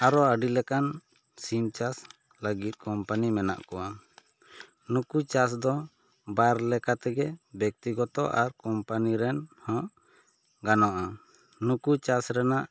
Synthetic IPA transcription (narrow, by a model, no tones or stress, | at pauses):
aɾɔaɖilɛkan | simt͡ʃas | laɡit̪̚ˀkɔmpanimɛna̰ʔkɔwa | nukut͡ʃasd̪ɔ | bajɾlɛkat̪ɛɡɛbjɔk̚t̪iɡɔt̪ɔʔaɾkɔmpaniɾɛnhɔ̃ʔ | ɡanɔʔa | nukut͡ʃasɾɛnaʔ